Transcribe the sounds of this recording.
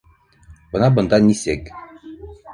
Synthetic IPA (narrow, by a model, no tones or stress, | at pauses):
bɤ̆nɑbɤ̆nd̪ɑnʲisek